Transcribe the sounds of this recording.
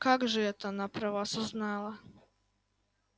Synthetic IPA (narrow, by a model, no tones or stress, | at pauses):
kakʒɛjet̪aːnapɾaʋasuznaːla